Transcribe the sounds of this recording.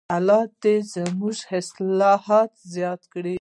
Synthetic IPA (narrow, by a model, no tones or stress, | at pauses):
alɑd̪ezəmuʒɪslɑhɑt̪zjɑt̪kɽi